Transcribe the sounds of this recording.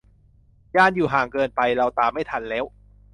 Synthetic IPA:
jaː˥˩njuː˨˩ɦaː˨˩ŋkɤː˧npa˧jɾa˧wt̪aː˨˧mːa˥˩jt̪ʰa˧nlɛː˦˥w

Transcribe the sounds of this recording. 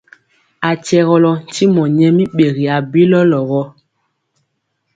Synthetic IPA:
a˨t͡ʃɛ˨ɣɔ˨lɔ˨n̩˨ti˦mɔ˨ɲɛ˦mi˦ɓe˨ɣi˨a˨bi˦lɔ˦lɔ˨ɣɔ˦

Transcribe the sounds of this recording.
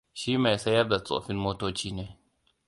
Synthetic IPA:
ʃiː˦ma˨jsɐ˦jɐ˦rda˨t͡sʼo̰ː˨ɸɪ˦mmoː˦toː˦t͡ʃiː˦neː˦

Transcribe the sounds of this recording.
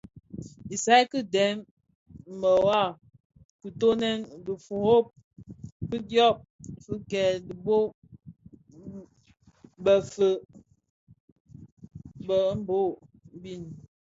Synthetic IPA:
i˨sa˦i˦kɨ˦dɛ˨˦m˨ | mə˨wa˦˨ | ku˨to˦nɛ˦ndə˨fu˨ho˦p̚ | kɨ˦djɔ˦˨p̚fə˦kɛ˨di˨bo˦ | bə˨fə˨ | bə˨˦m̩˦bo˦bi˦˨n

